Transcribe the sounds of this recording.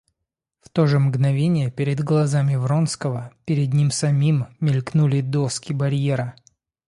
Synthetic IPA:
ft̪o̞ʐɨmɡnɐvʲenʲɪjəpʲɪɾʲɪd̪ɡlˠɐzamʲɪvɾonskəvəpʲɪɾʲɪd̪nʲimsɐmʲimːʲɪlʲknulʲɪd̪oskʲɪbɐɾʲjeɾə

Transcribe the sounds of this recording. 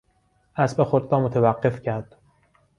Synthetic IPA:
ʔæsbexod̪ɾɒːmot̪ʰevæɢːe̞fcʰæɾd̪̥

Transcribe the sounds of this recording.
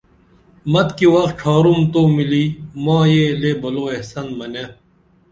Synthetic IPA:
mɐt̪kiwɐx̚ʈʰaːɾumt̪oːmiliːmãːjelebɐloːehsɐnmɐne

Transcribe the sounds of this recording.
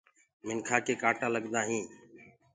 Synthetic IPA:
mɪŋkʰaːkeːkaːʈãːləɠd̪aːɦĩː

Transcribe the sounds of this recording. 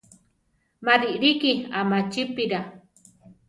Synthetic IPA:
madiʔɾikiamat͡ʃipiɾa

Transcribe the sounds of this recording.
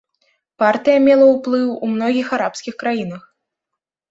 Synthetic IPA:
part̪ɨjɐmʲɛlˠɐwplˠɨwumn̪ɔɣʲixaɾapsʲkʲixkɾajin̪ɐx

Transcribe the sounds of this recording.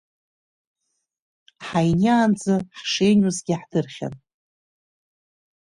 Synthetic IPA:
ħajnaːnd͡zaħʂejnuzɡʲɪħdɨrχʲa̰n

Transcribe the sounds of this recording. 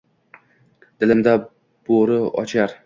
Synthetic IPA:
d̪̥ɪlɪmd̪a | b̥oɾɪɒ̰t͡ʃʰaɾ

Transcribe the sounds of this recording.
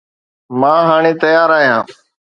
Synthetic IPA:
mãːɦaːɳ̃eːt̪əjaːɾaːɦjãː

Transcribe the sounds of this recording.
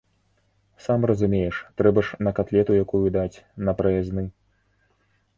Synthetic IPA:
samrɐzumʲejɛʂt̪ɾɛbɐʂnɐkat̪lʲɛt̪ujakujud̪at͡sʲnɐpɾɐjaznɨ

